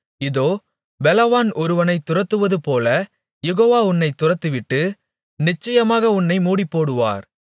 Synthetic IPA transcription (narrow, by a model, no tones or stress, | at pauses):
ɪðoː | bɛlɐʋaːnɔɾɯʋɐnɐɪt̪ːʊrɐt̪ːɯʋɐðɯpoːlɐ | jɛɣoːʋaːʊnːɐɪt̪ːʊrɐt̪ːɯʋɪʈːɯ | nɪt͡ʃːɐjɐmaːɣɐʊnːɐɪmuːɽɪpːoːɽɯʋa̰ːɾ